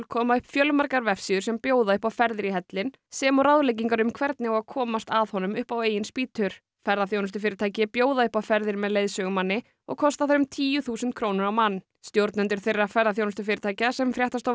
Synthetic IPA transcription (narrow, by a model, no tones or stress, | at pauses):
lkʰɔːmaʏhpfjœlmaɾkaɾvɛfsiðʏɾ̥sɛmpjoːwðaʏhpawfɛɾðɪɾiɦɛt̪lɪn | sɛːmaɾawðlejc̬iŋkaɾʏmkʰvɛɾt̪nɪɔɣakʰɔːmast̪aðhɔn̪ʏmʏhpaweːjɪnspiːt̪ʰʏɾ̥ | fɛɾðaθjownʏst̪ʏfɪːɾɪt̪ʰaːjcɪpjoːwðaʏhpawfɛɾðɪɾmɛðleːjðsœɣʏmanːɪ | ɔ̰ɣkʰɔst̪aθaɾʏmt̪ʰiːjʏθuːsɛnt̪kʰɾoːwnʏɾawmanː | st̪jowɾt̪nʏnt̪ɪɾ̥θɪrːafɛɾðaθjownʏst̪ʏfɪːɾɪt̪ʰaːjcasɛmfɾjɛht̪ast̪o